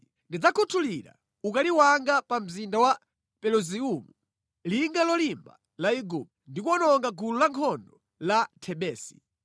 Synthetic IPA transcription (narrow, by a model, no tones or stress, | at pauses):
ndid͡zakʰutʰuliɾa̰ | ukaliwaŋɡapam̩zindawa | pɛluziumu | liŋɡalɔlimba̰ | laiɡup̚ | ndikuɔnɔŋɡaɡululaŋkʰɔndɔ | latʰɛɓɛːsi̥